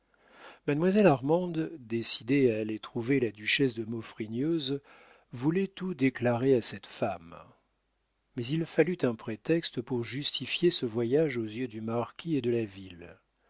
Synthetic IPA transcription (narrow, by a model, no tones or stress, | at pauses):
mad̪mwazɛlaʁmɑ̃d̪d̪esid̪eaːlet̪χuvelad̪yʃɛsd̪əmɔfχinjøz | vulɛt̪ud̪eklaʁeasɛt̪fam | ɛzilfalyt̪ɛ̃pχet̪ɛkst̪əpuʁʒyst̪ifjesəvwajaʒozjød̪ymaʁkʲʰied̪əlavil